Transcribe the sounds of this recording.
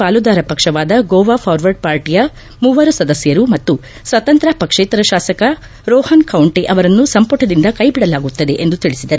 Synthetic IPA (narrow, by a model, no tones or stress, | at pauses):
aːlud̪aːɾɐpɐkʂɐʋaːd̪ɐɡoːʋaːpʰaːɾʋɐɾɖpaːɾʈijɐ | muʋɐɾusɐd̪ɐsjɐɾumɐt̪ːu | sʋɐt̪ɐnt̪ɾɐpɐkʂeːt̪ɐɾɐʃaːsɐkɐ | ɾɔːhɐnkɐwɳʈiʔɐʋɐɾɐnːusɐmpɐʈɐd̪ind̪ɐkɐjbiɽɐlaːɡut̪ːɐd̪e̞ʔend̪ut̪iɭisid̪ɐɾu